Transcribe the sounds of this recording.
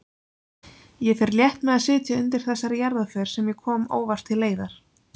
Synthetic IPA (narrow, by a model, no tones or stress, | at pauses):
jɛfɛɾljɛht̪mɛðaðsɪːt̪jaʏnt̪ɪɾ̥θɛsːaɾjaɾðafœɾ̥sɛmjɛkʰɔːmo̰ːwvast̪ʰːɪlːeːjðaɾ̥